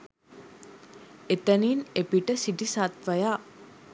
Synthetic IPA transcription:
et̪ɐniːnepiʈəsiʈisaːt̪ʋɐjaː

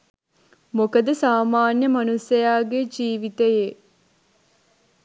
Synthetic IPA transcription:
mokɐd̪əsaːmaːnjəmɐnusjɐjaːɡed͡ʒiːʋit̪eje

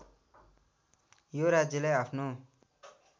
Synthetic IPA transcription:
joɾad͡zjʌlajapʰno

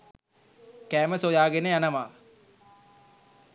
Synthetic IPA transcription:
kæːməsojaːɡenejanəʋaː

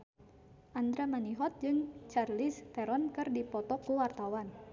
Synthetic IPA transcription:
ʔand̪ɾamaniɦɔt̪̚d͡ʒɨŋt͡ʃarlist̪ɛɾɔnkɨrdipɔt̪ɔkuwart̪awan

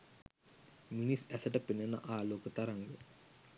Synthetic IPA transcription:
minisæsəʈəpenːənə̰ʔaːloːkət̪aɾaŋɡe

